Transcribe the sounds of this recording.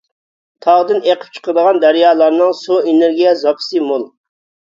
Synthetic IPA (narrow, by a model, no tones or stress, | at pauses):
t̪ʰɑʁd̪ɨneqʰəp̚t͡ʃʰə̥qəɾd̪əʁɑnd̪æɾjɑːlˠɑɾnɨŋsueneɾɡʲijɛzɑpʰə̥sɨmolˠ